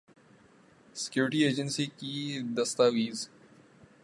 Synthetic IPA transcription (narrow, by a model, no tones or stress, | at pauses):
sɪ̥kjuːɾɪʈieːd͡ʒənsiːkid̪ɐst̪aːʋiːz